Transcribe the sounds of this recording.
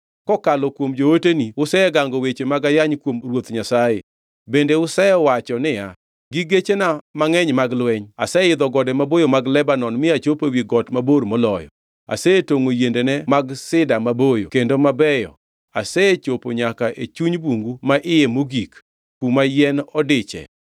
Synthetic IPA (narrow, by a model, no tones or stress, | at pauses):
kɔkalɔkwomd͡ʒowoteniʊsɛɛɡaŋɡɔwet͡ʃemaɡajaɲkwomrwot̪ɲasajḛ | bendeʊsɛjɛwat͡ʃɔnɪja | ɡiɡet͡ʃenamaŋɛɲmaɡlwɛɲa̰sɛɪd̪ɔɡɔdɛmabojomaɡlɛbanɔnmɪat͡ʃopewiɡɔtmaboɾmɔlɔjɔ̰ | a̰sɛetoŋojendenɛmaɡsɪdamabojo̰kendomabɛjɔ̰ | asɛet͡ʃopoɲakaʔet͡ʃuɲboŋɡumaʔɪjemoɡik | kumajɛnɔdɪt͡ʃɛ̰